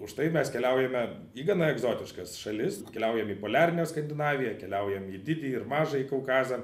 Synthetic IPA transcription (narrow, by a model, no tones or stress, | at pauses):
ʊʃt̪ɐɪmʲɛskʲɛlʲɛʊjɛmʲɛ | iːɡɐnɐɛɡzoːt̪ʲɪʃkɐsʃɐlʲɪskʲɛlʲɛʊjɛmiːpoːlʲæːɾʲɪnʲoːskɐnʲd̪ʲɪnɑːʋʲɪjɛkʲɛlʲɛʊjɛmiːd̪ʲɪd̪ʲiːɪɾmɑːʒɐiːkɐʊkɑːzɐ